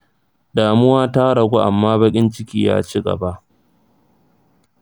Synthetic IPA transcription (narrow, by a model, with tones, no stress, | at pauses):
daː˨mʊ˦waː˦ta˦ɽɐ˨ɡʷu˦ʔa˨mːaː˦bɐ˦kʲʼɪ˦nt͡ʃɪ˦kʲiː˦ja̰ː˦t͡ʃi˦ɡɐ̰˨ba˦ʔ